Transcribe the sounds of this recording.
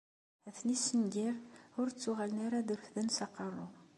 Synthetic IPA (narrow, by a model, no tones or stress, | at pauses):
æθnisːənɡiʁʊɾt͡sːuʁælənaɾaðəɾfðənsɑqːɑrˤːʊ